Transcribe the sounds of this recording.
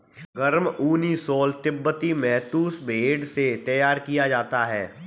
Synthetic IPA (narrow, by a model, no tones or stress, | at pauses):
ɡɐɾmuːnisɔːlt̪ɪbːət̪imɛːt̪uːsbʱeːɖset̪ɐjaːɾkijad͡ʒaːt̪aɦɛː